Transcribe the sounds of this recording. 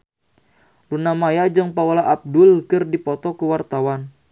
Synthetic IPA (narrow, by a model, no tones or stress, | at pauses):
lunamajad͡ʒɨŋpaolaʔap̚dʊlkɨrdipɔt̪ɔkuwart̪awan